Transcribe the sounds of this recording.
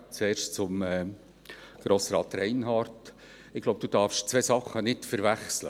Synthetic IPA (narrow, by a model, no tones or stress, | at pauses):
t͡sɛːɾʃtt͡sʊmɛ | ɡ̥ɾoːsɾɑːt̪ɾɛɪnɦɑːɾt | ɪɡlowb̚d̥̪ud̥ɑːɾfʃt͡sʋesɑχːənɪtfəɾvæχslə̰